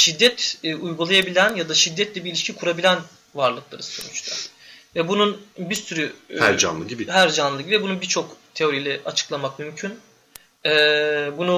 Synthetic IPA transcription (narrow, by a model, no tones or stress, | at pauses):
ʃid̪ːɛt̪ːujɡulˠajabilʲænjad̪aʃid̪ːɛt̪lʲɛbiɾilʲiʃcʰikʰuɾabilʲæn | vaɾlˠɯklˠa̰ɾɯso̞̰nut͡ʃt̪ʰa | vɛbununbiɾsyɾyhæɾd͡ʒa̰nlˠɯɟibiɦæɾd͡ʒanlˠɯɟibivibununbiɾt͡ʃʰo̞kt̪ʰe̞o̞ɾijlʲɛʔat͡ʃʰɯ̥klˠamakmymcʰyn | ɛbunu